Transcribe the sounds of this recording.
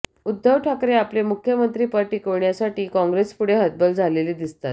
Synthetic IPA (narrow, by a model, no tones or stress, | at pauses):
ud̪ːəwʈʰakɾeaplemukʰjəmənt̪ɾiːpaɾʈiːkoɾɳjasaʈiːkɔ̃ŋɡɾespuɽ̤eɦət̪̚bəld͡zʱaleliːd̪ist̪at̪